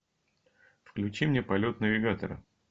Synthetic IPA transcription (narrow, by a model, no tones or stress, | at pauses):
fklʲʉt͡ɕimnʲe̞pɐlʲo̞t̪nəvʲɪɡat̪əɾə̰